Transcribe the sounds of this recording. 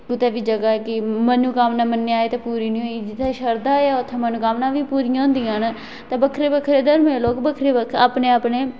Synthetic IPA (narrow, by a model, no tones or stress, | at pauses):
ɡʊt̪eːʋiːd͡ʒəɡaːɛːkɪmənuːkaːmnaːmənːeaːeːt̪aːpuːɾiːnĩːɦoːiːd͡ʒɪt̪ʰːẽʃəɾd̪aːeaːʊt̪ʰːẽːmənuːkaːmnãːʋiːpuːɾiãːnd̪iːãːn | t̪ãːbəkʰɾeːbəkʰːɾeːd̪əɾmẽːloːkbəkʰɾeːbəkʰaːpneːaːpneː